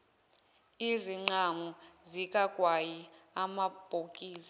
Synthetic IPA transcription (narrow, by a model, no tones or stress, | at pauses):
iziŋ͡ǀaŋɔzik̬ʼakʼwajiamab̥ʱokʼiːsḁ